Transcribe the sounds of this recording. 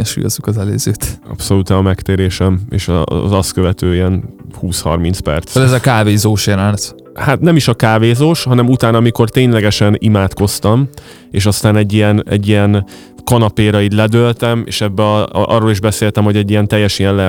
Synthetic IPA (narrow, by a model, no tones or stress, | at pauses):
ɛnʃṵjozukɒzɛlø̰ːzøːt̪ɒ̰pso̞luːt̪ɛɒmɛkt̪eːɾeːʃɛmḛːʃɒ̰zɒst̪køvɛt̪øːiɛnhuːshɒ̰rmint̪spɛ̰rt̪soɛzɒkaːveːzoːʃenaːnt̪ | hat̪nɛmiʃɒkaːveːzoːʃhɒnɛmut̪aːnɒmiko̞rt̪eːɲlɛɡɛʃɛnimaːt̪ko̞st̪ɒm | eːʃɒst̪aːnɛɟːijɛnɛ̰ɟːijɛn | kɒnɒpeːɾɒit̪lɛd̪ølt̪ɛmḛːʃɛbːɒ̰rːoːliʒbɛseːlt̪ɛmho̞ɟɛɟːijɛnt̪ɛjːɛʃijɛnlɛ